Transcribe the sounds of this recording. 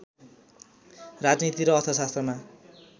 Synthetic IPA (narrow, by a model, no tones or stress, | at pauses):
rad͡znit̪iɾʌːt̪ʰʌsast̪rʌma